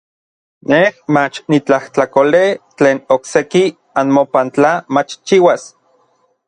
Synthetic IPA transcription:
nehmat͡ʃnit͡ɬaht͡ɬakolet͡ɬeːnokseki | anmopant͡ɬamat͡ʃt͡ʃiwas

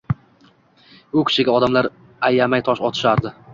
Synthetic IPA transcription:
ʊkʲʰɪ̥ʃɪɡʲaɒd̪amlaɾ | ajamajt̪ʰɒʃɒt̪ʰɪ̥ʃaɾd̪ɪ

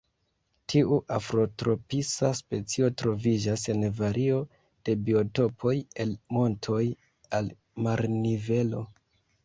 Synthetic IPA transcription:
tʰiʔuʔafɾo̞tɾo̞pisaspe̞t͡sio̞tɾo̞vid͡ʒase̞nvaɾʔio̞ | d̥e̞bio̞to̞pʰo̞je̞lmo̞ntʰo̞j | al | maɾnive̞lo̞̰

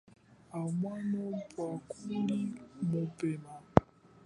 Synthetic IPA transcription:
amwanɔpwakulimopɛma

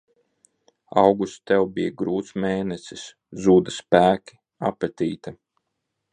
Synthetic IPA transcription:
a̰wɡust̪ɛwbijaɡɾuːt̪smeːnɛsʲis | zuːd̪aspæːkʲi̥ | apɾɛt̪ʲiːt̪a

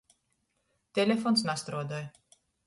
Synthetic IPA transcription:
t̪ɛlɛfoːnsnast̪ɾoːd̪œɾ

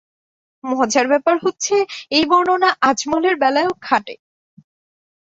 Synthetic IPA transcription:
mɔd͡ʑaɾbɛpaɾɦot̪ːɕʰeejbɔɾnonaʔad͡ʑmoleɾbɛlaeokʰaʈḛ

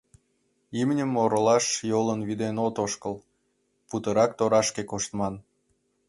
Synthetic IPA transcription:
imnʲəmːoɾəlɑʃjolənβid̪enot̪oʃkəl | put̪əɾɑkt̪oɾɑʃkekoʃt̪mɑn

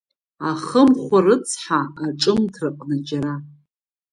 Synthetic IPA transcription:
aχəmχʷarɨt͡sʰħaːʈ͡ʂʼɨmtʰrɨqʼnad͡ʒaɾa

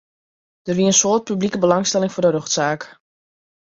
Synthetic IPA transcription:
d̥ərʋiəənsoət̚pyblikəbəlɑŋstɛlɪŋfʊrdərøxtsaːk

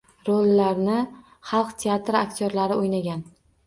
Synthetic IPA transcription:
ɾolːaɾnɪ | χɑlˠqt̪ʲʰeat̪ɾakʲt̪ʰʲoɾlaɾɪojnaɡʲan

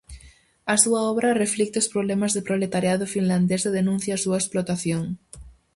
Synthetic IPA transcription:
ɐsuaɔβɾɐreflik̚t̪eospɾoβlɛmazðepɾoβlet̪aɾjaðʊfinland̪eseðenũn̟θjaːsuɐesplot̪aθjoŋ

